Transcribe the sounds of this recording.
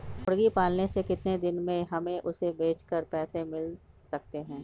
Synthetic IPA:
ʊɽɡipaːlnesekɪt̪ned̪ɪnmẽɦɐmẽʔʊsebeːt͡ʃkəɾpɛːsẽmɪl | sɐk̚t̪eɦɛ̃ː

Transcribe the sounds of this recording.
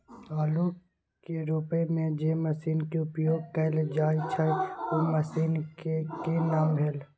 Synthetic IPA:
aːlo | keɾʊpemẽd͡ʒeːməsiːnkeʊpjoːɡ̚kəɪld͡ʒaːit͡ʃʰaeoməsiːnkekenaːmbʱeːl

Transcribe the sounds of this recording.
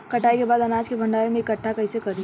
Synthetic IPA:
kɐʈʰaːikebaːd̪ɐnaːd͡ʒkebʱɐ̃ɳɖaːɾemẽːkːɐʈʰːakɐɦisekɐɾi

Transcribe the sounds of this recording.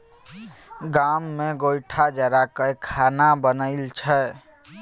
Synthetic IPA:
ɡamːeɡojʈʰad͡ʒəɾakəkʰanabənəɪlt͡ʃʰɛ

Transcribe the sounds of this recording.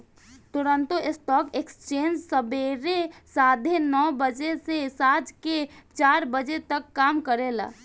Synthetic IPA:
t̪ʊɾə̃nt̪uesʈɔːkekst͡ʃeːnd͡ʒsəbeɾesad̪ʱenɔːbəd͡ʒesesad͡ʒket͡ʃaːɾbəd͡ʒet̪əkːaːmkəɾela̰

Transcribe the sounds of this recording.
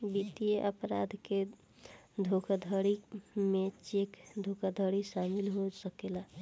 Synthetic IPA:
bit̪ijeʔəpɾa̰d̪ʱke | d̪ʱokad̪ʱəɽimet͡ʃekd̪ʱokad̪ʱəɽisamilɦosəkela

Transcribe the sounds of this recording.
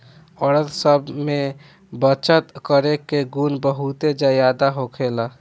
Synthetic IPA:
ɔɽət̪səbme | bət͡ʃət̪kəɾekeɡunbəɦut̪ed͡ʒajad̪aɦokʰela

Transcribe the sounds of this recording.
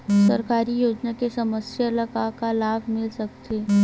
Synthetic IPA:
sə̰ɾkaɾijod͡ʒnakesəməsjələkakalabʱmɪlsəkt̪ʰe

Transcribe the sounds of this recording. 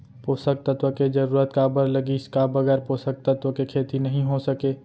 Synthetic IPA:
posək̚t̪ət̪wəked͡ʒəɾuːɾət̪kabəɾləɡiɪskabəɡɛːɾposək̚t̪ət̪wəkekʰeːt̪inəɦĩɦosəkeː

